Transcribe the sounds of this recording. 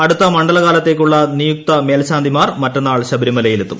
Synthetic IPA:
ɐɽut̪ːɐmɐɳɖɐlɐɣaːlɐt̪ːe̞ːkʲːuɭːɐnijuk̚t̪ɐme̞ːlɐɕaːnd̪ʱimaːrmɐtːonːaːɭɕɐbɐɾimɐlɐjilet̪ːum

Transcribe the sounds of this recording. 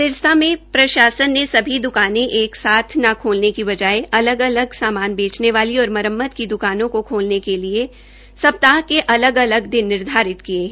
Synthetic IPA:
ɪɾst̪ʰamẽpɾɐʃaːsənːesɐbʱid̪ʊkaːnẽʔeːksaːt̪ʰnakʰoːlnekiʋɐd͡ʒaːeʔɐləɡɐləɡsaːmaːnbeːt͡ʃneʋaːliɔːɾmɐɾəmːət̪kid̪ʊkaːnõkokʰoːlnekelie | sɐp̚t̪aːkeʔɐləɡɐləɡd̪ɪnːɪɾd̪ʱaːɾɪt̪kieː

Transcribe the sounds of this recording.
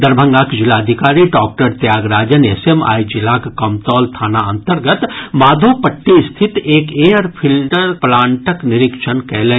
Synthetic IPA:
d̪əɾbʱə̃ŋɡaːkd͡ʒɪlaːəd̪ʱɪkaːɾiɖɔːk̚ʈəɾt̪jaːɡɾaːd͡ʒənesema̰ːid͡ʒɪlaːkkɐmt̪ɔːlt̪ʰaːnaɐ̃nt̪əɾɡət̪maːd̪ʱopəʈːist̪ʰɪt̪eːkeːjəɾpʰɪlɖəɾplaːɳʈəknɪɾɪkʃənkɛleː

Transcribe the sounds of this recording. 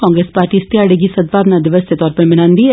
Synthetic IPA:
kɔ̃ːŋɡɾespaːɾʈist̪jaːɽeɡisəd̪̚baːʋnad̪ɪʋəsd̪et̪ɔːɾpə̃mɪnaːnd̪iɛ

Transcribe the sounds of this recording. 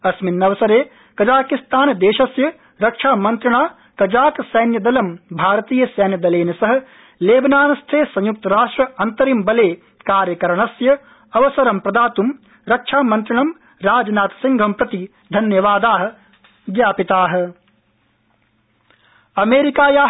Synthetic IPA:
ɐsminːɐʋɐsɐɾeː | kɐd͡ʒaːkist̪aːnd̪eːʃɐsjɐ | ɾɐkʂʰaːmɐnt̪ɾiɳaː | kɐd͡ʒaːksɐjnjɐd̪ɐlɐmbʱaːɾɐt̪iːjɐsɐjnjɐd̪ɐleːnɐsɐɦɐ̆ | leːbɐnaːnɐst̪ʰeːsɐ̃juk̚t̪ɐɾaːʂʈɾɐɐnt̪ɐɾimbɐleː | kaːɾjɐkɐɾɐɳɐsjɐ | ɐʋɐsɐɾɐmpɾɐd̪aːt̪um | ɾɐkʂʰaːmɐnt̪ɾiɳɐm | ɾaːd͡ʒɐnaːt̪ɐ̥siŋɡʱɐmpɾɐt̪i | d̪ʱɐnjɐʋaːd̪aːɦɐ̆ | ɡjaːpit̪aːɦɐ̆ | ɐmeːɾikaːjaː

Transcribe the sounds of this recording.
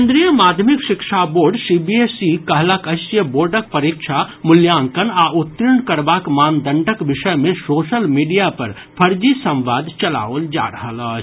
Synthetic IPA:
nd̪ɾijəmaːd̪ʱjəmikʃɪkʃaboːɾɖsibiesikɐɦləkɐsjəboːɾɖək̚pɐɾikʃʰamʊljaːŋkənaːʊt̪ːɾɪɳkɐɾbaːkmaːnd̪ʱəɳʈəkʋɪʃəjmẽsoːʃəlmiːɖijapɐɾ | pʰɐɾd͡ʒisɐ̃mʋaːd̪ʱt͡ʃɐla̰ːold͡ʒa̰ːɾəɦələ

